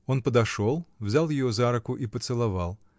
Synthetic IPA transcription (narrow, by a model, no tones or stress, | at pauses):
onpəd̪ɐʂolˠvzʲalˠjɪjozaɾɐkʊʔipət̪sɨlˠɐvalˠ